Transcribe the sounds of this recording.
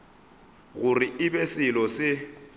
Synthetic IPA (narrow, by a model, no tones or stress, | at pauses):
ɣʊriɪbesɪlɔsɪ